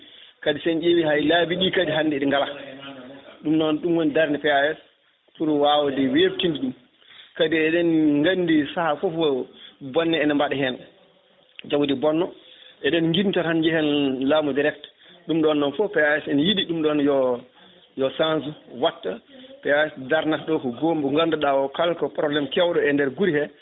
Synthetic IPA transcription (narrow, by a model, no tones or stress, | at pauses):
kadisɛnʔewihajlabiɗikadiɦandɛɗiŋɡala | ɗumnɔnɗumwɔndaɾnipɛaɛs | puɾuwawdɛweftindiɗum | kadiɛɗɛnŋɡandisahafɔfɔbɔnːɛɛnambaɗɛɦɛn | d͡ʒawdibɔnːɔʔɛɗɛnŋɡimtɔɾhand͡ʒɛhɛnlaːmudiɾɛkt | ɗumɗɔnːɔnfɔpɛaɛsɛnjiɗiɗumɗɔnjɔ | jɔsansuwatːapɛaɛsdaɾnaɗɔkɔɡombuŋɡanduɗawɔkalkɔpɾɔblɛmkɛwɗɔɛndɛɾɡuɾihɛ